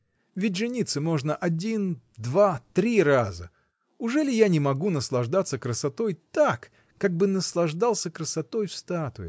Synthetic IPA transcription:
vʲɪt̚ʲʐɨnʲit̪sɨmo̞ʐnəʔɐdʲin | d̪vat̪ɾʲirazə̰ | ʊʐɛlʲɪjanʲɪmɐɡunəslˠɐʐd̪at̪sːəkɾəsɐt̪o̞jt̪akː | aɡ̚bɨnəslˠɐʐd̪alˠsʲəkɾəsɐt̪o̞jfst̪at̪ʊɪ̰

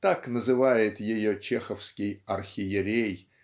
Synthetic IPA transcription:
t̪aknəzɨvajɪt̪jɪjot͡ɕexəfskʲɪjɐrxʲɪjɪɾʲej

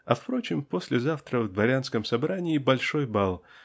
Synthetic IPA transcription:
ɐfpɾo̞t͡ɕɪmpo̞sʲlʲɪzaft̪ɾəvd̪vɐɾʲanskəmsɐbɾanʲɪːbɐlʲʂo̞jbalˠ

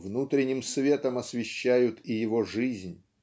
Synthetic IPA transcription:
vnut̪ɾʲɪnʲɪmsvʲe̞t̪əmɐsvʲɪɕːæjʊt̪ijɪvoʐɨzʲnʲ

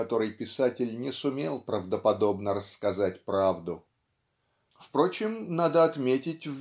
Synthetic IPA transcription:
ɐt̪o̞ɾɨjpʲɪsatʲɪlʲnʲɪsʊmʲelˠpɾəvd̪əpɐd̪o̞bnəɾəsːkɐzatʲpɾavd̪ʊ | fpɾo̞t͡ɕɪmnad̪əɐt̪mʲetʲɪtʲv

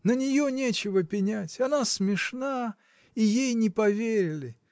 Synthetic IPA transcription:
nənʲɪjonʲet͡ɕɪvəpʲɪnʲætʲɐnasmʲɪʂna | ijejnʲɪpɐvʲeɾʲɪlʲɪ

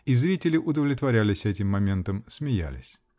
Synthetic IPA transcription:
izɾʲitʲɪlʲɪʔʊd̪əvlʲɪt̪vɐɾʲælʲɪsʲɛtʲɪmːɐmʲe̞nt̪əmsmʲɪjæ̰lʲɪ̰sʲ

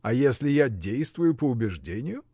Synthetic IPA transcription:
ɐjesʲlʲɪjadʲejst̪vʊjʊpəʊbʲɪʐdʲenʲɪjʊ

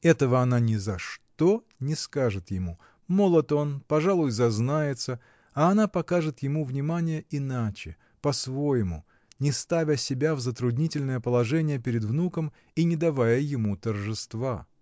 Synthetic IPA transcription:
ɛt̪əvəɐnanʲɪzɐʂt̪o | nʲɪskaʐɨt̪jɪmu | mo̞lˠət̪o̞npɐʐalˠʊjzɐznajɪt̪sə | aːnapɐkaʐɨt̪jɪmuvnʲɪmanʲɪjəʔɪnat͡ɕɪ | pɐsvo̞jɪmʊ̰ | nʲɪst̪avʲəsʲɪbʲavzət̪ɾʊdʲnʲitʲɪlʲnəjəpəlˠɐʐɛnʲɪjəpʲɪɾʲɪd̪vnukəm | inʲɪd̪ɐvajəjɪmut̪ərʐɨst̪va

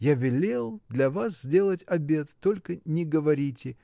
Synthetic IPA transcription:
javʲɪlʲelˠd̪lʲɐvas̬z̥ʲdʲe̞lˠətʲɐbʲe̞t̪ːo̞lʲkənʲɪɡəvɐɾʲitʲɪ

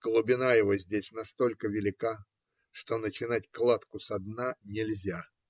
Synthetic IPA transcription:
ɡ̥lˠʊbʲɪnajɪvo̞zʲdʲesʲnɐst̪o̞lʲkəvʲɪlʲɪka | ʂt̪o̞nət͡ɕɪnatʲklˠat̪kʊsɐd̪nanʲɪlʲzʲa

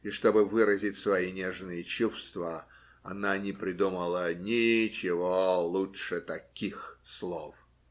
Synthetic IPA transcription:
ɪʂt̪o̞bɨvɨɾəzʲɪtʲsvɐinʲeʐnɨjət͡ɕufst̪və | ɐnanʲɪpɾʲɪd̪uməlˠənʲɪt͡ɕɪvolˠuʂɨt̪ɐkʲixslˠof

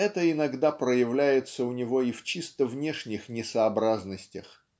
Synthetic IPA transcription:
ɛt̪əɪnɐɡd̪apɾəjɪvlʲæjɪt̪səʊnʲɪvo̞ift͡ɕist̪əvnʲe̞ʂnʲɪxnʲɪsəɐbɾaznəsʲtʲəx

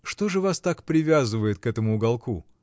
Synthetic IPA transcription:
ʂt̪o̞ʐɨvast̪akpɾʲɪvʲazɨvəjɪt̪̚kɛt̪əmʊʊɡɐlˠku

